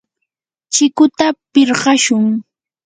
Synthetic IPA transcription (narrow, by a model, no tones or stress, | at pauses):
t͡ʃɪkʊt̪apɪɾɢɑʃʊŋ